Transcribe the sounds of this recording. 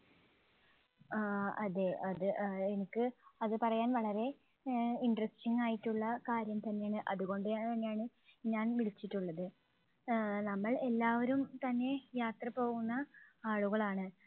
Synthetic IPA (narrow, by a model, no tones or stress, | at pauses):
ɐðe̞ɐðɨenikʲːɨɐðɨpɐrɐjaːnʋɐɭɐɾe̞ | iɳɖrɐstiŋːaːjiʈːuɭːɐkaːɾjɐmt̪ɐnːe̞jaːɳɨʔɐðuɣo̞ɳɖɨt̪ɐnːejaːɳɨ | ɲaːnʋiɭit͡ɕːiʈːuɭːɐðɨ | nɐmːɐɭe̞lːaːʋɐɾumt̪ɐnːe̞jaːt̪rɐpo̞ːɣunːɐaːɭuɣɐɭaːɳɨ